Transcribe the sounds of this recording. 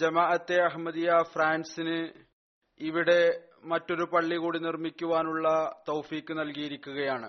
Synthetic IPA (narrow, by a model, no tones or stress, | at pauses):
d͡ʑɐmaːʔɐt̪ːe̞ɐɦmɐd̪ijɐfraːnsinɨ | iʋiɽe̞ | mɐtːo̞ɾupɐɭːiɣuːɽinirmikʲːuʋaːnuɭːɐt̪owfiːkːɨnɐlkijiɾikʲːuɣɐjaːɳɨ